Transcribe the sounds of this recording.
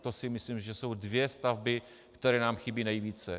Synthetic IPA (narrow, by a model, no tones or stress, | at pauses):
t̪osɪmɪslimʒɛso̞wdvjɛst̪avbɪ | kt̪ɛɾɛːnaːmxɪbiːnɛjviːt͡sɛ